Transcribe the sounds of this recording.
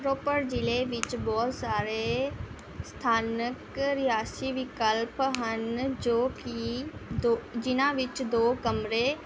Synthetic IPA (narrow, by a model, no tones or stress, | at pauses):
ɾoːpəɾd͡ʒɪleʋɪt͡ʃbɔːt̪saːɾe | st̪ʰaːnəkɾɪjaːsiʋɪkəlpɦənd͡ʒoːkid̪od͡ʒɪnãʋɪt͡ʃd̪oːkɐmɾe